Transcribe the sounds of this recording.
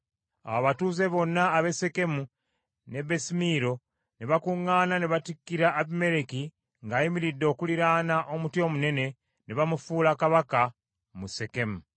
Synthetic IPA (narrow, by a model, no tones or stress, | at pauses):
a̰waβatuːze̞βo̞nːaːβe̞se̞ke̞mu | ne̞besimiːɾo̞ | neβakuŋːaːnaneβatikːiɾaːβime̞ɾeki | ŋɡaːjimiɾidːo̞ːkuliɾaːnaʔo̞mutjo̞ːmune̞ne̞ | neβamufuːlakaβaka | muse̞ke̞mu